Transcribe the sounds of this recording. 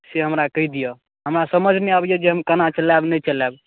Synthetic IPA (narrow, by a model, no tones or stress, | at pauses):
seɦəmɾakəɦid̪ijə | ɦəmɾasəməd͡ʒʱneabijɛd͡ʒeɦəmkənat͡ʃəlabnət͡ʃəlɛb